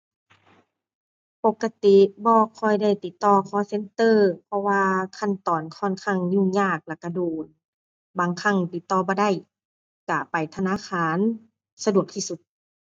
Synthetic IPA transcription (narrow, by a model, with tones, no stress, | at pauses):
po˧˦kːa˧t̪i˧bɔː˧kʰɔ˧˩˨jda˧˥˩jt̪i˧˦t̪ːɔː˧kʰɔː˧˦se˧˥˦nt̪ɤː˧˨pʰɔ˧waː˧kʰa˧˥˨nt̪ɔː˨˩nkʰɔ˧˥˩nkʰa˧˥˨ŋɲuː˧˨ɲaː˧˩k̚lɛ˧˨kːa˧˩doː˨˩n | baː˨ŋkʰa˧˥˨ŋt̪i˧˦t̪ːɔː˧˦bɔː˧˦da˧˥˩j | ka˧˩pa˨jt̪ʰa˧naː˧˥˨kʰaː˧˦˨n | sa˧du˨˩˨ək̚t̪ʰiː˧˨su˧˦t̪̚